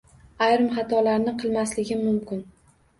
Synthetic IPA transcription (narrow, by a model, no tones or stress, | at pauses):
ajɾɪmχɑt̪ʰɒlaɾnɪqʰɨlˠmaslɪɡʲɪmʊmkʲɪn